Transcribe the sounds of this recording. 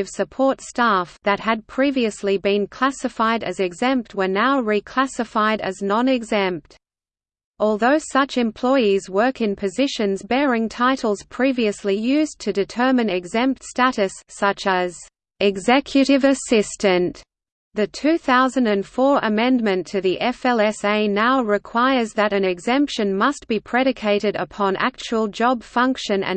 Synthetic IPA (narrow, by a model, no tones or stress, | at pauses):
ɨv̥sɨpʰɔɹtstæfðɨt̚hɨd̚pʰɹ̥iviɨslibɨ̃nkʰl̥æsɨfaɪɾɨ̰zɨɡzɛ̃mp̚t̚wə˞naʊɹikʰl̥æsɨfaɪɾɨ̰znɑ̃nɨɡzɛ̃mp̚t | ɔlˠðoʊsʌt͡ʃɨ̃mpʰl̥ɔɪizwɜ˞kɨ̃npʰɨzɪʃɨ̃nzbɛɹɪ̃ŋtʰaɪɾl̩ˠz̥pʰɹ̥iviɨslijʉztʰɨdɨtʰɜ˞mɨ̃nɨɡzɛ̃mp̚tstæɾɨsːʌt͡ʃəz | ɨɡzɛkʰjɨɾɨvɨsɪstɨ̃n | ðɨtʰʉθaʊzɨ̃n̩dɨ̃nfɔɹʔəmɛ̃nmɨ̃ntʰɨðiʔɛfɛlˠɛseɪnaʊɹɨkʰw̥aɪə˞zðɨɾɨ̃nɨɡzɛ̃mpʃɨ̃nmʌst̚b̥ipʰɹ̥ɛɾɨkʰeɪɾɨɾə̰pʰɑ̃nʔæ̰k̚t͡ʃuwəl̩ˠd͡ʒɑb̥fʌ̃ŋkʃɨ̃nɨ̰̃